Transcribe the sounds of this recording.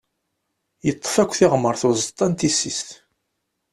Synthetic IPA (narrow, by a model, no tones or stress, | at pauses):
jət̪ˤːfækʷːθɪʁməɾˤθʊzˤət̪ˤːɑnt̪isːist̪